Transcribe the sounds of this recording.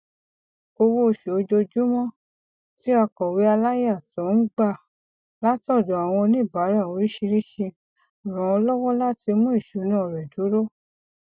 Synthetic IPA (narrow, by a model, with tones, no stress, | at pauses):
o˧wo˦˧˨ʃe˨o˧d͡ʒo˧d͡ʒu˦mɔ̃˦ | ti˦a˧kɔ˨wi˨˦a˧la˦ja˦˨tɔ̃˨˦n̩˦ɡ͡ba˦˨ | la˦tɔ˦˨dɔ˨a˨w̃ɔ̃˧nĩ˦˨ba˨˦ɾa˦˨o˨˦ɾi˦ʃi˧ɾi˦ʃi˧˨ | ɾɔ̃˨ɔ˧lɔ˦wɔ˦la˦ti˧˦mũ˦i˦˨ʃu˨˦nã˦ɔ˨ɾɛ˨du˨˦ɾo˦